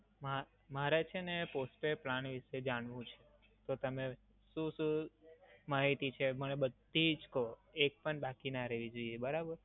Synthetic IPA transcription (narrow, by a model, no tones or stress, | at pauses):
ma | maɾet͡ʃʰeneposʈeplanʋiʃed͡ʒaɳʋũt͡ʃʰe | t̪ot̪əme | ʃũʃũ | maɦit̪it͡ʃʰemənebəd̪ʱid͡ʒkoek̚pəɳbakinaɾeʋid͡ʒoiebəɾabəɾ